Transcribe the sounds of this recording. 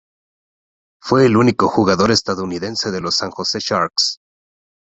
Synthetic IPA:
fwe̞ːlunikoxuɣaðo̞ɾe̞st̪aðouniðe̞nse̞ðe̞lo̞saŋxo̞se̞ʃaɾks

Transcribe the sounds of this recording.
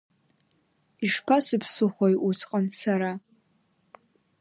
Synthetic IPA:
iʂpʰasɨpʰsɨχʷojʔut͡sʰʼqʼənsaɾa

